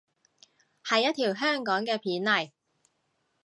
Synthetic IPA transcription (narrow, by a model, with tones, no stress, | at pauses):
hɐ˨jːɐ˥t̪ʰiː˨˩wɦœː˥ŋkɔː˨˥ŋkɛː˧pʰiː˨˥nlɐ˨˩j